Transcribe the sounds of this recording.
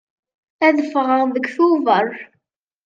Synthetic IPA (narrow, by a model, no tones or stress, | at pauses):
æðəfʁəðəɡʷθuvəɾˤ